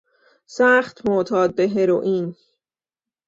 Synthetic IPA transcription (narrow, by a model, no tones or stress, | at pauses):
sæːχt̪ʰmot̪ʰɒːd̪̚beɦeɾoʔiːn